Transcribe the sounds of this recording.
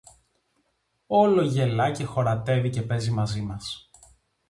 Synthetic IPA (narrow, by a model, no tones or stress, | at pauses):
o̞lo̞ʝe̞lɐce̞xo̞ɾɐt̪e̞vice̞pe̞zimɐzimɐs